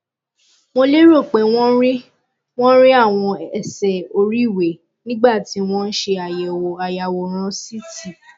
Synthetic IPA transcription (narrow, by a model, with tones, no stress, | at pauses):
mo˧le˦ɾo˦˨k͡pe˨˦w̃ɔ̃˦ɾi˦ | w̃ɔ̃˦ɾi˦a˦˨w̃ɔ̃˧ɛ˨sɛ˨o˧ɾi˦˨we˨ | nĩ˦ɡ͡ba˦˨ti˨˦w̃ɔ̃˦n̩˦ʃe˧a˨jɛ˨wo˨a˨ja˨wo˨ɾ̃ã˧si˦ti˦˨